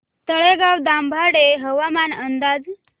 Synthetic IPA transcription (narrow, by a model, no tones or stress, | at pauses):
t̪əɭeɡawd̪ambʱaɽeɦəʋamanənd̪ad͡z